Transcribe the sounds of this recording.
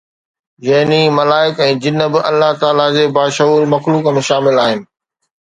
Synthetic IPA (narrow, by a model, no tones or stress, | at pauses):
jɐɦnimɐlaːɪkɛ̃ːd͡ʑɪnəbɪʔɐlːaɦt̪aːlad͡ʑeːbaːʃɐuːɾmɐxluːkəmẽːʃaːmɪlaːɦɪnɪ̆